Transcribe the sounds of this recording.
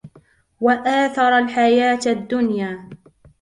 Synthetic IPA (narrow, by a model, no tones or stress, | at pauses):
waʔaːθɑɾˤalħajaːt̪ad̪ːʊnjaː